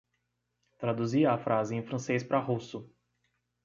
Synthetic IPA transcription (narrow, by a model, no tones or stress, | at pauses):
t̪ɾad̪uziɐafɾʔazɪẽj̃fɾɐ̃sejspɾaɦusʊ